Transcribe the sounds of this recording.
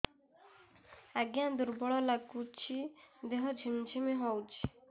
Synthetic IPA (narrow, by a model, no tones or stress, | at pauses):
aɡjãd̪uɾbɔɭɔlaɡut͡ʃʰid̪eɦɔd͡ʒʱimd͡ʒʰʱimiɦɔwt͡ʃʰi̥